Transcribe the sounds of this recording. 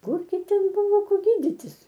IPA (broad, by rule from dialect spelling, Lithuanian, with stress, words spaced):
ˈkʊrʲɡʲɪ ˈtʲɛn ˈbʊʋoː ˈkoː ˈɡʲiːdʲɪtʲɪs